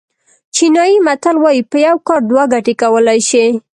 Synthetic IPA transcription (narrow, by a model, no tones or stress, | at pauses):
t͡ʃinɑjimat̪alwɑjipəjawkɑɾd̪waɡaʈekawəlajʃi